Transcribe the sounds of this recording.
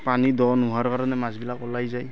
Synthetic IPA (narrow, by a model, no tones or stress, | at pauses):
panidɔnuɦaɹkaɾɔnɛmazbilakɔlajzaj